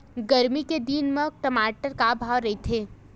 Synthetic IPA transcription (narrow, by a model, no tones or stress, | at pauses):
ɡɐɾmiked̪inmə̃ʈəmaːʈəɾkabʱaːʋɾɐit̪ʰeː